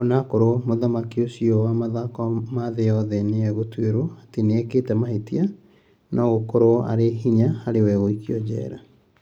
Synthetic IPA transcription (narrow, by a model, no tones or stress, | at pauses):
ɔnakoɾomoðamakiosiɔwamaðakɔmaðejɔðɛneɛɣotweɾoateneɛkeːtɛmaɦetia | nʔɔɣokoɾoa̰ɾeɦiɲahaɾewɛɣoikiɔd͡ʑɛ̰ɾa